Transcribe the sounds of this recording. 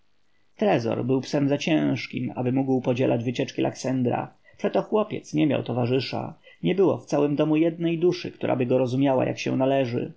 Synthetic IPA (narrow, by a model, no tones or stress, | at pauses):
t̪ɾɛzɔ̰ɾbɘwpsɛmzat͡ɕɛ̃w̃ʂkʲima̰bɘmuɡwpɔd͡ʑɛlʔad͡ʑvɘt͡ɕɛt͡ʂkʲilʔa̰ksɛnd̪ɾa̰ | pʂɛt̪ɔxwɔpʲjɛt̪sɲɛmʲja̰wt̪ɔvaʐɘʂa̰ | ɲɛbɘwɔ̰ft̪sawɘmd̪ɔmujɛd̪̚nɛjd̪uʂɘ̰kt̪uɾʔa̰bɘɡɔɾɔzumʲjawa̰jʔa̰kɕɛ̰̃w̃nalɛʐɘ̰